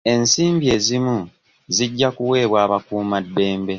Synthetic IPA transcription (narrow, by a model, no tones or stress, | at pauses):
e̞nsiːmbie̞ːzimu | ziɟːakuwe̞ːβwaːβakuːmadːe̞ːmbe̞